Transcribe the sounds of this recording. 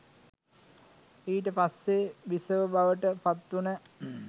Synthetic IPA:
iːʈ̬əpasːebisəʋəbaʋəʈəpat̪ːunə

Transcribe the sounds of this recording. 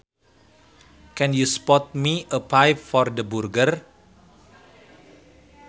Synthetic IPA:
kɛ̃njuspɔt̪̚miəpajpfɔrdəburɡər

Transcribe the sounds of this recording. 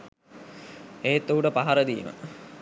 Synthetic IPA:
eːet̪ːoɦuʈəpaɦaɾəd̪iːmə̰

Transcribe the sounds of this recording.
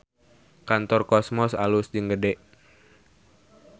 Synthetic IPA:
kant̪ɔrkɔsmɔsalusd͡ʒəŋɡədɛʔ

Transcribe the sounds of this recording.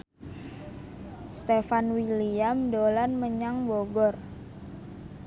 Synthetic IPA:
st̪efanwiliamdolanməɲaŋboɡɔr

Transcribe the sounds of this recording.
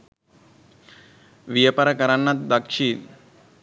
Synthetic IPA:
ʋijəpɐɾəkɐɾanːat̪̚d̪akʂiːn

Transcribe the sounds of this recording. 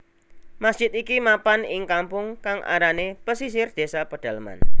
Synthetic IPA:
masd̥ʒ̥ɪt̪ikimapanɪŋkampʊŋkaŋʔa̰ɾanepəsis̬ɪrd̪̥e̤sapəd̥a̤ləma̰n

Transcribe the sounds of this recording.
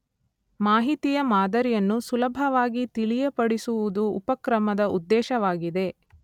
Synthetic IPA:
maːɦit̪ijɐmaːd̪ɐɾijɐnːusulɐbʱɐʋaːɡit̪iɭijɐpɐɽisuʋud̪uːpɐkɾɐmɐd̪ɐʔud̪ːɛːʃɐʋaːɡid̪e̞

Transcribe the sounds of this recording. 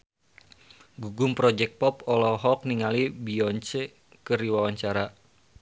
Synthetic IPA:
ɡuɡumpɾɔd͡ʒɛk̚t̚pɔpɔlɔɦɔk̚niŋalibiɔɲt͡ʃe | kɨɾiwawaɲt͡ʃaɾa

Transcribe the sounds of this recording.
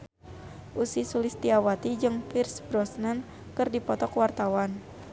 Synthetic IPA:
ʔusisulist̪iawat̪id͡ʒɨŋpirsbɾɔsnən | kɨrdipɔt̪ɔkwart̪awan

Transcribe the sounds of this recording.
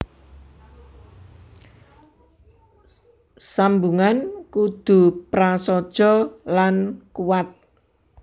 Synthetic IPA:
sambuŋankud̪̥ṳpɾasɔd̥ʒ̥ɔ̤lankuwat̪̚

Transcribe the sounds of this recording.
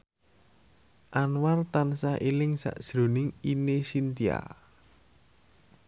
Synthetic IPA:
ʔanwart̪ansahʔilɪŋsa̰ʔd̥ʒ̥ɾo̤nɪŋinesint̪ia̰

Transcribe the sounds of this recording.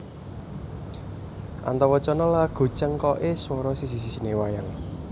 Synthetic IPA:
ʔa̰nt̪ɔwɔt͡ʃɔnɔlaɡ̥o̤̥t͡ʃəŋkɔʔeswɔɾɔsisisisinewaja̰l

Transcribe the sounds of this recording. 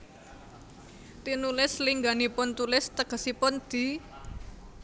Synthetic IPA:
t̪inulɪsliŋɡanipʊnt̪ulɪst̪əɡ̥ə̤sipʊnd̪̥i̤

